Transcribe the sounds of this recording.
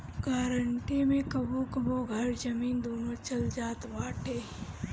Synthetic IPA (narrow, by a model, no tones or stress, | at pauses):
ɡaːɾəɳʈimẽkəbokəboɡʱɐɾd͡ʒəmiːnd̪oːnot͡ʃəld͡ʒaːt̪baːʈʰeː